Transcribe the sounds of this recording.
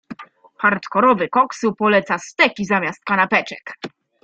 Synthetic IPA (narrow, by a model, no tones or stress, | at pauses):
paɾt̪kɔɾɔvɘkɔksupɔlɛt̪sast̪ɛkʲizamʲjast̪̚kanapɛt͡ʂɛk